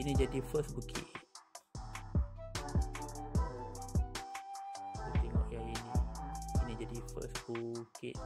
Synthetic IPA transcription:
inĩd͡ʒadifəsbukʰḭʔ̚ | ut̪iŋɔ̰ʔjainiinid͡ʒadifə̰sbukɪ̰t̚

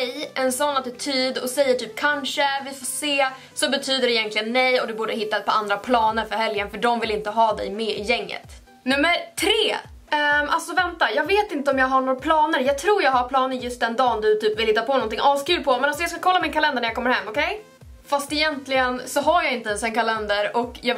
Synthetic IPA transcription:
nɛjʔɛnsɔnːat̪ɪt̪ʰyːd̪ɔsɛjːəʈʰyːp̚kʰanʂəvɪfoːseː | sɔbɛt̪ʰyːd̪əɾɪjɛnt̪lɪɡənːɛjɔd̪ɵbuːɖəɦɪt̪ːapʰɔand̪ɾapʰlɑːnəɾfœɾɦɛljənfœɖɔmvɪlɪnt̪əɦɑːd̪ɛ̰jmeːɪjɛŋːə̰t̪ | nɵmːəɾʈʰɾeː | ʔa̰lsɔvɛnt̪ajɑːɡveːt̪ɪnt̪əɔmjɑːɡɦaɳoːɾapʰlɑːnəɾjɑːɡ̚t̪ʰɾuːjɑːɡhaɾpʰlɑːnəɾjɵst̪̚d̪ɛnd̪ɑːnd̪ɵt̪ʰyːpvɪlhɪt̪ːapʰɔnɔnt̪ɪŋʔɑːskʉlpʰɔmɛnals̬ɔjɑːskakʰɔlːamɪnkʰalɛnd̪aɳæɾjakɔmːəɾhɦɛmːɔkʰɛj | fast̪ɛjɛnt̪lɪɡənsɔɦaɾjɑɪnt̪əɛnsɛnkʰalɛnd̪əɾɔkjɑː

